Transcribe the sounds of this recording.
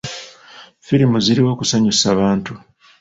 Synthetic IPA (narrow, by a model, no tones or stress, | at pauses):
fiɾimuziɾiwo̞ːkusaɲusaβaːntu